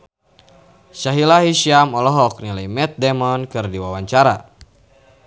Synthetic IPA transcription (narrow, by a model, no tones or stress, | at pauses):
ʃaɦilaɦiʃiamɔlɔɦɔk̚nilajmɛt̪̚dɛmɔnkɨrdiwawaɲt͡ʃaɾa